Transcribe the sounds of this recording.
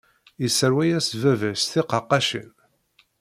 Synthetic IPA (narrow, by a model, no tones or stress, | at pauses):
isəɾwæjæsvævæsθiqɑqːɑʃə̰n